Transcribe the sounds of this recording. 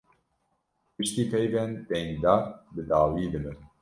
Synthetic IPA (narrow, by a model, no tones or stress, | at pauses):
pɨʃt̪iːpʰɛjvɛnt̪ɛŋd̪aːbɨd̪aːwiːd̪ɨbɨ